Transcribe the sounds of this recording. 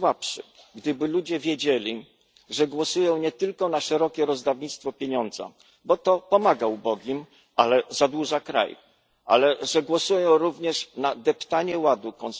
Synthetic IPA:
wapʂɘ̰ɡd̪ɘbɘlud͡ʑɛvʲjed͡ʑelʲi | ʐɛɡwɔsujɔ̃w̃ɲɛt̪ɘlkɔnaʂɛɾɔkʲɛɾɔzd̪avɲit̪st̪fɔpʲjeɲɔnd̪za̰ | bɔt̪ɔpɔmaɡaubɔɡʲim | ʔalɛzad̪wuʐakɾa̰j | ʔa̰lɛʐɛɡwɔsujɔ̃w̃ɾuvɲɛʂnad̪ɛpt̪aɲɛwad̪ukɔn

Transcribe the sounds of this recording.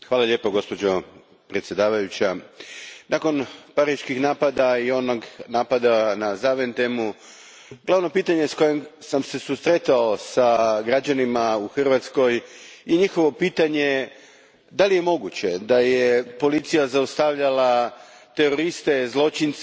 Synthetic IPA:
xʋaːlˠaʎe̞ːpoɡo̞spo̞d͡ʑo̞ | pɾet̪sjed̪aːʋajut͡ɕa | nako̞npaɾiʃkixnaːpad̪aio̞noɡnaːpad̪anazaʋent̪emu | ɡ̥laʋno̞piːt̪aɲe̞sko̞jemsamse̞sust̪ɾet̪ao̞saɡɾad͡ʑanimauxr̩ʋat̪sko̞jjeɲixo̞ʋo̞piːt̪aɲe̞ | d̪alije̞mo̞ɡut͡ɕe̞d̪ajepo̞lit̪sijazaust̪aʋʎalat̪e̞ɾo̞ɾist̪e̞zlˠo̞t͡ɕins

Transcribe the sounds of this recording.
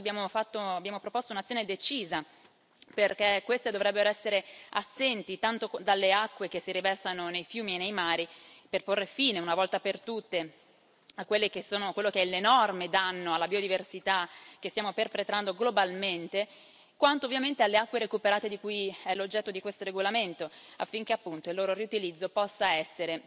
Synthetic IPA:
bjaːmofat̪ːoabːjaːmopɾopost̪ounat̪sːjoːned̪et͡ʃiːza | perkekːwest̪ed̪ovɾɛbːeɾoɛsːeɾeasːent̪it̪ant̪od̪alːeakːwek̟esːiɾivɛrsanonejfjuːmienːejmaːɾiperporːefiːneunavɔlt̪apert̪ut̪ːe | akːwelːekesːoːnokwelːokeɛlenɔrmed̪anːoalːabiod̪iversit̪ak̟est̪jaːmoperpɾet̪ɾand̪oɡlobalment̪e | kwant̪oːvːjament̪ealːeakːweɾekupeɾaːt̪ed̪ikujɛlːod͡ʒːɛt̪ːod̪ikwest̪oɾeɡolament̪oafːiŋk̟eapːunt̪oilːoːɾoriut̪ilid̪zːopɔsːaɛsːeɾe

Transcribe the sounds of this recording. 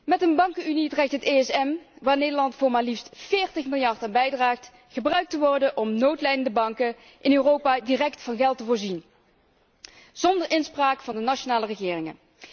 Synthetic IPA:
mɛtənbɑŋkəynitrɛk̚tɦətejɛsɛmʋaːɹnejdəɹlɑntfʊːɹmaːlifstfɪːɹtəχmɪlˠjɑɹtaːnbɛjdraːχt | χəbrœɥk̚təʋɔrdəʔɔmnowtlɛjdəndəbɑŋkə | ʔɪnøːrowpaːdirɛktfɑnɣɛlˠtəvʊːɹzin | z̥ɔndəɹɪnspraːkfɑndənaʃonaːlərəɣɪːrɪŋə̰

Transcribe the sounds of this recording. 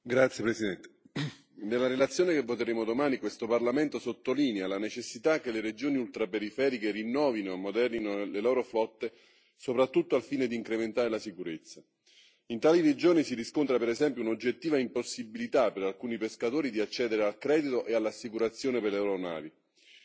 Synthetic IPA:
ɡɾat̪sjepɾesid̪ɛnt̪e̥ | nelːaɾelat̪sːjoːnekevːot̪eɾeːmod̪omaːnikwest̪oparlament̪osot̪ːolinealanet͡ʃesːit̪ak̟ːeleɾed͡ʒoːniult̪ɾapeɾifɛːɾikerinːɔːvinoamːod̪ɛrninolelɔːɾoflɔt̪ːe | sopɾat̪ːut̪ːoalfiːned̪iːŋkɾement̪aːɾelasikuɾet̪sːa | int̪aːliɾed͡ʒoːnisiɾiskont̪ɾapeɾɛzɛmpjounod͡ʒːet̪ːiːvaimposːibilit̪apeɾalkuːnipeskat̪oːɾid̪iat͡ʃːɛːd̪eɾealkɾɛːd̪it̪oʔealːasːikuɾat̪sːjoːneperlɛɾona̰ːvi

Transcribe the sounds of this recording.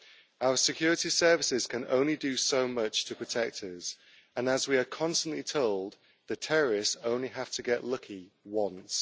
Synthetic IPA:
aʊəsɪkʰj̥ɔːɹɪtisɜːvɪsɪz̥kʰə̃nõ̰ʊ̃nlidəsoʊmʌt͡ʃtʰəpʰɹ̥ətʰɛk̚tʰəz̥ | ə̃nəzwiəkʰɒ̃nstə̃nʔlitʰoʊlˠd̪̚ | ðətʰɛɹəɹɪstõʊ̃nliɦaftʰəɡɛʔlʌkʰiwɒ̃ns

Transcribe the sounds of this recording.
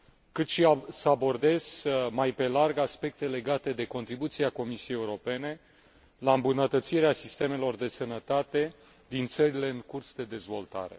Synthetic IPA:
kɨt̪ʃiasəabo̞rd̪e̞z̥majpe̞larɡaspe̞k̚t̪e̞le̞ɡat̪e̞d̪e̞ko̞nt̪ɾibut̪siako̞misiejeuɾo̞pe̞ne̞ | laɨmbunət̪ət̪siɾeasist̪e̞me̞lo̞rd̪e̞sənət̪at̪e̞ | d̪int̪səɾile̞ɨŋkursd̪e̞d̪e̞zvo̞lt̪a̰ɾe̞̰

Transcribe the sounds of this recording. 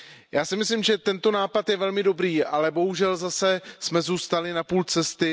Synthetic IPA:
jaːsɪmɪslɪmʒɛt̪ɛnt̪o̞naːpat̪jɛvɛlmɪdo̞bɾiːʔalɛbo̞ɦuʒɛlzasɛsmɛzuːst̪alɪnapuːlt͡sɛst̪ɪ

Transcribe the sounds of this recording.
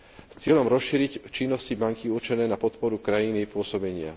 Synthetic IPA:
st͡sɪɛʎɔmɾɔsʃiːɾict͡ʃinːɔscibaŋkiuɾt͡ʃɛnɛːnapɔt̪pɔɾukɾajiniɛpʊɔsɔbɛɲɪa̰

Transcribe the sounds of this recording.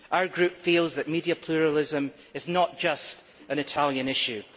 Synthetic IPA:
ʔaʊə˞ɡɹʉpfilˠzðəʔmidiəpʰl̥ˠʉɹəlˠɪzə̃m | ɪznəʔd̥ʒ̥ʌst | ə̃nɪtʰalˠjə̃nɪʃʉ

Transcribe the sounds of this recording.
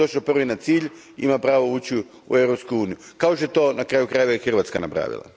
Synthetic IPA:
oʃopr̩ʋinat̪siːʎ | imapɾaːʋouːt͡ɕi | ṵewɾopskuuːnijukaoʃt̪oet̪o̞ːnakɾaːjukɾaːjuʋajexr̩ʋat̪skanapɾa̰ːʋḭlˠa̰

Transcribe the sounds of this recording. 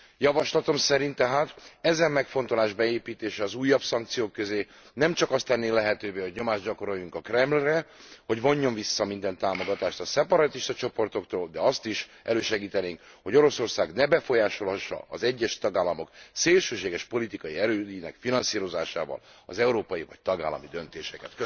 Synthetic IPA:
jɒvɒʃlɒt̪o̞msɛɾint̪ːɛɦaːt̪ɛzɛmmɛkfo̞nt̪o̞laːʒbɛeːpiːt̪eːʃɛɒzuːjːɒbsɒŋk̚t̪sijoːkːøzeː | nɛmt͡ʃɒkɒst̪ɛnːeːlɛɦɛt̪øːveːho̞ɟɲo̞maːʒɟɒko̞ɾo̞jːuŋkɒkrɛmlrɛho̞ɟvo̞ɲːo̞ɱvisːɒmind̪ɛnt̪aːmo̞ɡɒt̪aːʃt̪ɒsɛpɒɾɒt̪iʃt̪ɒt͡ʃo̞po̞rt̪o̞kt̪oːld̪ɛɒst̪iʃʔɛløːʃɛɡiːt̪ɛneːŋk | ho̞ɟo̞ɾo̞so̞rsaːɡnɛbɛfo̞jaːʃo̞lhɒʃːɒ̰ɒzɛɟːɛʃt̪ɒɡaːlːɒmo̞kseːlʃøːʃeːɡɛʃpo̞lit̪ikɒjiɛɾøːinɛkfinɒnsiːɾo̞zaːʃa̰ːvɒ̰lɒ̰zɛuɾoːpɒjivɒ̰c̚t̪ɒɡa̰ːlːɒ̰mid̪ø̞nt̪eːʃɛkɛt̪kø

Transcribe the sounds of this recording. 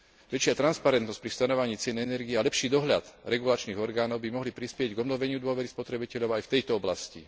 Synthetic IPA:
ʋɛt͡ʃɪat̪ɾanspaɾɛnt̪nsc̚pɾifst̪anɔʋaɲiːt͡sɪɛnɛnɛɾɡiɛalɛpʃiːd̪ɔɦʎa̰d̪ɾɛɡulat͡ʃniːɣɔɾɡaːnɔʊbimɔɦlipɾispɪɛɟɡɔbnɔʋɛɲɪud̪ʊɔʋɛɾispɔt̪ɾɛbicɛʎɔʊajft̪ɛjt̪ɔɔblascḭ

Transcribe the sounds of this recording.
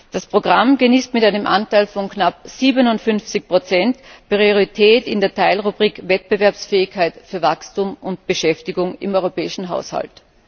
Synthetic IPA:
d̥aspʁ̥oɡʁamɡəniːstmɪtaɪnəmʔa̰ntaɪlfɔnknap̚z̥iːbənʊntfʏnft͡sɪçpʁ̥ot͡sɛntpʁioʁitʰɛːtɪndeːɐtʰaɪlʁubʁiːkvɛt̚b̥əvɛɐpsfɛːɪçkʰaɪtfyːɐvakstuːmʔʊnt̚b̥əʃɛftɪɡʊŋɪ̰mɔʏʁopɛːɪʃn̩ɦa̰ʊsha̰lt

